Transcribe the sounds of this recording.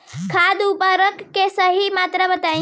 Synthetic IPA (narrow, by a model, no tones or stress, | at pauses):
kʰad̪upəɾəkːesəɦimat̪ɾəbət̪ã